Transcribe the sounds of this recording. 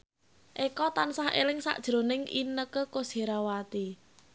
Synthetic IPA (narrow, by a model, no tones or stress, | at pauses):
ʔekɔt̪ansahḛlɪŋsa̰ʔd̥ʒ̥ɾo̤nɪŋʔḭnəkəkose̤ɾawat̪i